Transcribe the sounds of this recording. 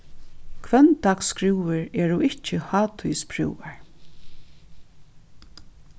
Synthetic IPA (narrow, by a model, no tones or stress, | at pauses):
kʰvɛnt̪aːkskɾɪwɪɹɛɹuɪht͡ʃɪhaːt̪ʰujspʰɾṵwaɹ